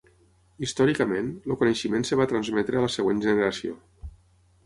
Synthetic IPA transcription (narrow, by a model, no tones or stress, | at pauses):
ist̪ɔɾikəmenlokunəʃimensəβat̪ɾənzmɛt̪ɾəaləsəɣwenʒənəɾasio̰